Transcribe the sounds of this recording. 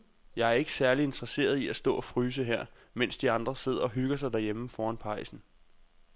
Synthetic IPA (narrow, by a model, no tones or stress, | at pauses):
jɑ̈ɪæɐe̝ɡ̥əsæɐlie̝nd̥ʁɐse̝̰ːɐð̞ˠiæsd̥ɔ̰̽ːɒ̽fʁyːs̬əɦeɐ̰ | men̰sd̥iɑ̈nd̥ʁɐse̝ð̞̰ˠɐɒ̽ɦyɡ̥ɐsɑ̈ɪd̥æɐjem̩fɒːænpʰɑ̈ɪsn̩